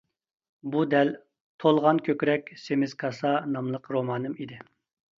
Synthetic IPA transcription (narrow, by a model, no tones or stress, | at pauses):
bud̪ɛl | t̪ʰolˠʁɑnkʲʰøkʲɾɛkʲsemɪz̥kʰɑsɑnɑmlˠəqɾomɑnɨmid̪ɪ